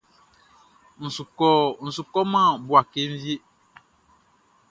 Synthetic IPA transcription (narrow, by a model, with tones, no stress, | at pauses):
n̩˨su˨kɔ˦n̩˨su˨kɔ˦mã˦˨bu˨a˨ke˦ɱ̩˦vi˦e˦